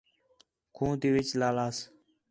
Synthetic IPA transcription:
kʰũːd̪iːʋɪt͡ʃlaːlaːs

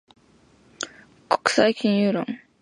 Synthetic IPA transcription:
ko̥kɯ̟̥saikʲĩɰ̃jɯːɾõ̰ŋ

